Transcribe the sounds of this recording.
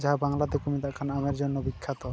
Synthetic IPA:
d͡ʒaɦabaŋlad̪ekomit̪aʔkʰanameɾd͡ʑonːobikʰːat̪ɔ

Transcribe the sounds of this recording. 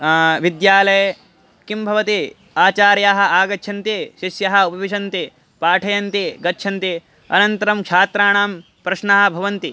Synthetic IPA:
ʋid̪jaːlɐjɐ | kimbʱɐʋɐt̪i | aːt͡ʃaːɾjaːɦɐ̆aːɡɐtːʃʰɐnt̪iʃiʃjɐɦɐ̆upɐʋiʃɐnt̪i | paːʈʰɐjɐnt̪iɡɐtːʃʰɐnt̪i | ɐ̰nɐnt̪ɐɾɐmkʂaːt̪ɾaːɳaːm | pɾɐʃɳaːɦɐ̆bʱɐʋɐnt̪i

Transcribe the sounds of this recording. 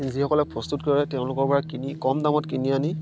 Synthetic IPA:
inzixɔkɔlɛpɹɔstutkɔɹɛtɛʊ̃lʊkɔɹpɔɹakinikɔmdamɔtkiniani

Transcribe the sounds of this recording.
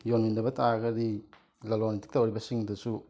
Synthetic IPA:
jonmindɐbɐtʰaɡɐɾi | lalonitʰi̥k̚tawoɾibɐsiŋdɐsu

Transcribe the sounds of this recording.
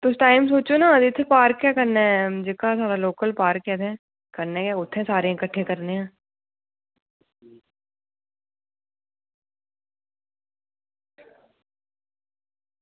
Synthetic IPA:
t̪oɪsʈaːɪmsoːt͡ʃonadɪt̪ʰːepaːɾkːjaːkɐɾnaɦɛd͡ʒɪkasaːɾaloːkəlpaːɾkːɛːt̪ʰɛ̃ː | kɐɾnekjaʊt̪ʰːẽsaːɾẽɪkəʈʰːẽkɐɾneɛ̃ː

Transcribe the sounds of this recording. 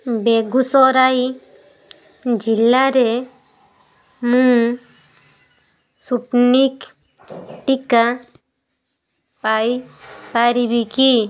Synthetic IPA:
beɡusɔɾai | d͡ʒilːaɾe | mũ | suʈnik | ʈika | pajpaɾibiki

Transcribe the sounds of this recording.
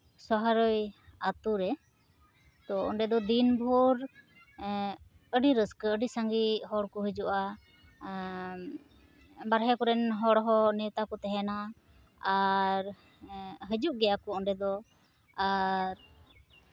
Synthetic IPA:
sɔɦaɾɔjat̪uɾɛ | t̪ɔɔ̰ɳɖɛd̪ɔd̪inbʱuɾ | əɖiɾəskəəɖisaŋɡiɦɔɽkɔɦəd͡ʒuʔa | baɾɦɛkɔɾɛnɦɔɽɦɔnɛt̪akɔt̪ɛɦɛna | aɾ | ɦəd͡ʒuʔɡɛjakɔɔɳɖɛd̪ɔ | aɾ

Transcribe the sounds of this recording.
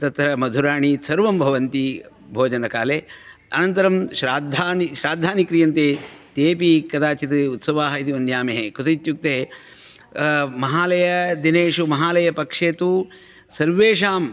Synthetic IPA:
t̪ɐt̪ɾɐmɐd̪ʱuɾaːɳisɐɾʋɐmbʱɐʋɐnt̪i | bʱoːd͡ʒɐnɐkaːleː | ɐnɐnt̪ɐɾɐmʃɾaːd̪ʱːaːniʃɾaːd̪ʱːaːnikɾijɐnt̪eːt̪eːpikɐd̪aːt͡ʃit̪ɨut̪sɐʋaːɦɐit̪iʋɐnjaːmeɦekut̪ɐt̪juk̚t̪eː | mɐɦaːlɐjɐd̪ineːʂumɐɦaːlɐjɐpɐkʂeːt̪u | sɐɾʋeːʂaːm

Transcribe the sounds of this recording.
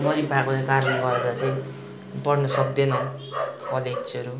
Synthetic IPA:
mʌɾibʱakot͡sʌikaɾnʌɡʌɾeɾat͡sʌĩ | pʌrnʌsʌk̚d̪enʌ | kʌled͡zʌɾu

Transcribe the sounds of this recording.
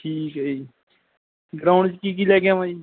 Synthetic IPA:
ʈʰiːkəi | ɡɾaʊɳɖt͡ʃkikileːɡãmai

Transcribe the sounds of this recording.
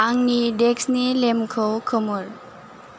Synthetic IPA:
aŋnideksnilemkʰɯwkʰɯmuɾ

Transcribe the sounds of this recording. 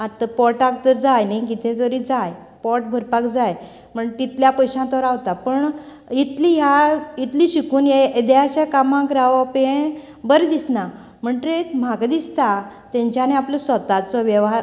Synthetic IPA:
at̪əpɔʈak̚t̪əɾd͡zajnajkit̪ẽt̪əɾid͡zaj | pɔʈ̚bʱəɾpakd͡zaj | m̤əɳt̪it̪ljapəjɕãt̪ɔɾaʋt̪apəɳ | it̪lijait̪liɕikuːnjed̪eat͡ɕakamãkɾaʋpẽ | bəɾed̪isna | m̤əɳʈɾet̪maɡd̪ist̪a | t̪ẽɲt͡ɕaneapləsʋət̪at͡sɔʋɛʋɦaɾ

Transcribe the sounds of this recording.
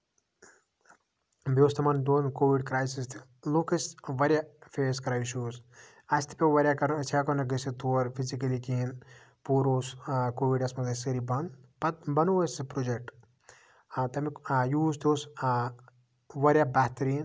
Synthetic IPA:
beːst̪ʰɐmɐnd̪oːnkoːʋiɖkɾaːjsist̪ʰi̥loːkɐsʋɐɾʲjafʰeːskɾaːjsoːs | ɐst̪ʰi̥pʲeʋɐɾʲjakɐɾt͡ʃʰikɐnɐɡɐsit̪uɐɾpʰizikɐlikiːn | puːɾoːskoːʋiɖɐsmɐzɐsɐɾibɐnpɐt̪̚bɐnoʋɐspɾod͡ʒek̚ʈ | t̪ɐmijuːst̪oːs | ʋɐɾjabʲaɦt̪ɐɾiːn

